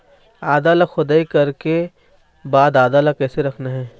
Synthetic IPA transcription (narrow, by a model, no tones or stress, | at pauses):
aːd̪alaxʊd̪aːikɐɾke | baːd̪aːd̪alakɛːseɾɐkʰnaɦɛ̃ː